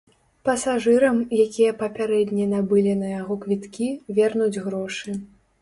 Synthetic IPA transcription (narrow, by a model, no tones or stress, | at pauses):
pɐsaʐɨɾɐmjakʲijɐpɐpʲaɾɛd̪ʲnʲɛnabɨlʲinɐjaɣɔkvʲit̪kʲivʲɛrnud͡zʲɣɾɔʂɨ